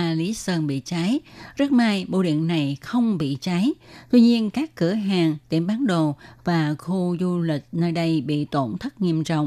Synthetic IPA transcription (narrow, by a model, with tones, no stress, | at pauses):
a˧li˨˦səː˧nɓḭ˧˨t͡ɕaː˨˦jzə˦˥t̚maː˧jɓo̰˧˨ɗḭ˧˨ənna˨˩jxə˧wŋ͡mɓḭ˧˨t͡ɕaː˨˦jt̪wi˧ɲi˧ənkaː˦˥kːɨ˧˩əɦaː˨˩ŋt̪i˧˩əmɓaː˨˦nɗo˨˩vaː˨˩xu˧zu˧lï˨˩k̟̚nəː˧jɗə˧jɓḭ˧˨t̪o˧˩nt̪ʰɨ˦˥t̚ŋi˧əmt͡ɕɔ̰˧˨wŋ͡m